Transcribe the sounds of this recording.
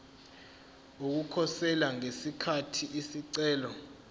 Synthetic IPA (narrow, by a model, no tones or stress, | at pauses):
uk̬ukʰɔsɛlaŋesikʰatʰiʔisiǀɛːlɔ